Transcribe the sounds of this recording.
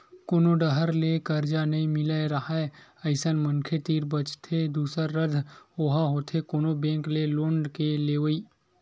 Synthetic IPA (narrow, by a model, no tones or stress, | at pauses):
koːnoɖəɦəɾlekəɾd͡ʒanɐɦĩmɪlaeɾɐɦaɛɐɪsənməŋkʰet̪iːɾbət͡ʃt̪ʰed̪uːsəɾːəd̪ʱoːɦaɦot̪ʰekoːnobẽːŋkleloːɳɖkeleːʋəiː